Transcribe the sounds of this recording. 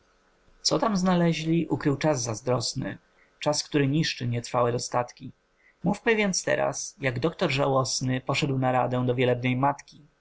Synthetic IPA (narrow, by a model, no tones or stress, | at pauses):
t̪sɔt̪amznalɛʑlʲiʔukɾɘwt͡ʂazːazd̪ɾɔsnɘ̰ | t͡ʂaskt̪uɾɘɲiʂt͡ʂɘɲɛt̪ɾfawɛd̪ɔst̪at̪kʲi | mufmɘvʲɛnt̪st̪ɛ̰ɾa̰sjaɡd̪ɔkt̪ɔɾʐawɔsnɘpɔʂɛd̪wnaɾad̪ɛw̃d̪ɔvʲjɛlɛbnɛjmat̪kʲi